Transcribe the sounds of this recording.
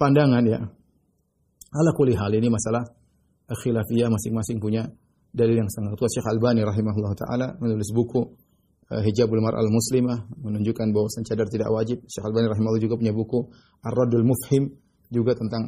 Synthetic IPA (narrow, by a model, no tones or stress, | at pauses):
pandaŋanja̰ | alakuliɦalinimasalah | ʔalxilafijamasɪŋmasɪŋpuɲa | daliljaŋsaŋaŋt̪uaʃɛxalbaniɾɑɦimaɦulːɑɦut̪a̰ʔa̰lamənulɪsbuku | əɦid͡ʒabulmarʔa̰lmuslimahmənuɲd͡ʒukanbawasant͡ʃadart̪ida̰ʔwad͡ʒɪp̚ʃɛxalbaniɾɑɦimaɦlːhd͡ʒuɡapuɲabuku | ʔarːɔdalmʊfhɪm | d͡ʒuɡat̪ənt̪aŋ